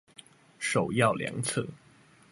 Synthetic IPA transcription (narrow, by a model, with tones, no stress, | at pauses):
ʂo˨˩ʊjɑ˥˩ʊljɑ̰˧˥˦ŋt͡sʰɤ̰˥˩